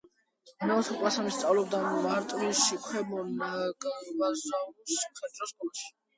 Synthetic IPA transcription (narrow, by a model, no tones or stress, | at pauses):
naɔt̪ʰɔkʼwasamist̪sʼavlɛbd̪amaɾt̪ʼɾiʃikʰwɛmɔnaɡavazausimχɛd̪ʼɔskʼɔlaʃi̥